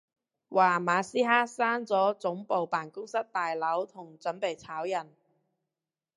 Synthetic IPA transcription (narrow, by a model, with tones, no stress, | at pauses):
waː˨˩maː˨˧siː˥ɦaː˥saː˥nt͡sɔː˨˥t͡sʊ˨˥ŋpo˨wpaː˨˩nkʊ˥ŋsɐ˥t̚t̪aː˨jlɐ˨˥wt̪ʰʊ˨˩ŋt͡sɵ˨˥npe˨jt͡sʰaː˨˥wjɐ˨˩n